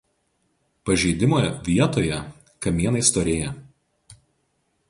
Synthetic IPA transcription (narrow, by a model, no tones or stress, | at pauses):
pɐʒʲɛɪd̪ʲɪmoːjʋʲiɛt̪oːjɛ | kɐmʲiːɛnɐɪst̪oːɾʲeːjɛ